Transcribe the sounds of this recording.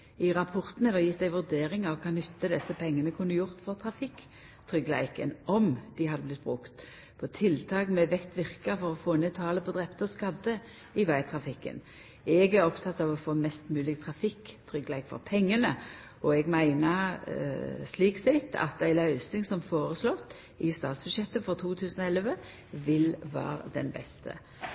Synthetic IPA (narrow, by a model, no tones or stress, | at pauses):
ɪʁɑpʰɔʁt̪n̩əd̪ɛjɪt̪ːd̪æɪʋʉʁd̪eːʁɪŋɑʋkʰɑːnʏt̪ːəd̪ɛsːəpʰɛŋːənəkʰʉnːəjʊʁt̪fɔʁt̪ʰʁɑfɪkː | t̪ʰʁʏɡlæ̰ɪkənʔɔmd̪ɪhɑd̪əblɪt̪̚ːbʁʉkt̪ | pʰɔt̪ʰɪlt̪ʰɑːkmɛʋɛkt̪ʋɪʁkəfɔʁɔfoːnet̪ʰɑːləpʰɔd̪ʁɛpt̪əɔskɑd̪ə | ɪʋæɪt̪ʰʁɑfɪkːə̰n | ɛɡæʁɔpt̪ʰɑt̪ːɑʋɔfoːmɛst̪mʉːlɪɡt̪ʰʁɑfɪkːt̪ʰɾʏɡlæɪkfɔ̰ʁpʰɛŋːənə | ɔɛɡmæɪnəʁ | sliːksɛt̪ːɑ̰t̪æɪlɑʏsɪŋsɔmfoːʁəslɔt̪ː | ɪst̪ɑːt̪sb̥ʉd̪ʃjɛt̪ːəfɔʁt̪ʰuːt̪ʰʉːsn̩ɔɛlʋə | ʋɪlʋæ̰ːʁəd̪ɛ̰nbɛ̰st̪ʰə̰